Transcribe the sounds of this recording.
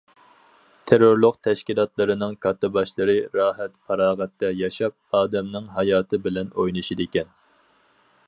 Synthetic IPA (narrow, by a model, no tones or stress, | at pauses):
t̪ʰeɾoɾlˠʊqt̪ʰɛʃkʲilˠɑt̪lˠɨɾɨnɨŋkʰɑt̪ːɨbɑʃlˠɨɾɨɾɑːɦɛt̪pʰɑɾɑːʁɛt̪ːɛjɑʃɑp̚ɑːd̪ɛmnɨŋɦɑjɑːt̪ʰɨbɪlɛnojnɨʃid̪ɪkʲɛn